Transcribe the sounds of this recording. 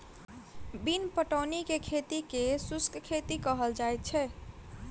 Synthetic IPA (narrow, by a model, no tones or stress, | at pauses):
binpəʈənikekʰet̪ikesuskkʰet̪ikəɦəld͡ʒaet̪̚t͡ʃʰɛ